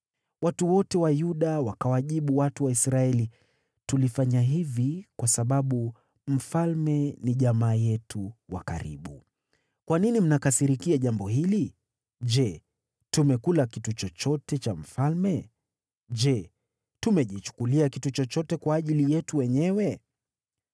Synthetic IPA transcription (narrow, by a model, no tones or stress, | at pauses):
watuwɔtɛwajuɗawakawaʄiɓuwatuwaisɾaɛli | tulifaɲaɦivikwasaɓaɓu | m̩falmɛniʄamaːjɛtuwa̰ka̰ɾḭɓu | kwaninim̩nakasiɾikiaʄambɔhili | ʄɛ | tumɛkulakitut͡ʃɔt͡ʃɔtɛt͡ʃam̩falmɛ | ʄɛ | tumɛʄit͡ʃu̥kuliakitut͡ʃɔt͡ʃɔtɛkwaːʄilijɛtuwɛɲɛwɛ